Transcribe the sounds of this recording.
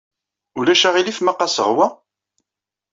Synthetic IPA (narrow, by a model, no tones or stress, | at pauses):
ʊlæʃæʁilifmaqɑsə̰ʁwæ